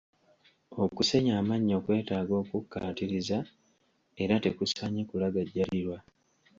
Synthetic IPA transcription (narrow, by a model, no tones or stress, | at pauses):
o̞kuse̞ɲaːmaɲːo̞ːkwe̞ːtaːɡo̞ːkukːa̰ːtiɾiza | e̞ɾate̞kusaɲikulaɡaɟːaliɾwa